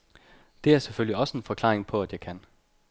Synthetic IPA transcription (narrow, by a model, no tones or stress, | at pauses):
d̥e̝æɐseføl̰liɒ̽səenfɒ̽kʰlɑ̰̈ːʁeŋpʰɒ̽æd̥jɑ̈ɪkʰæn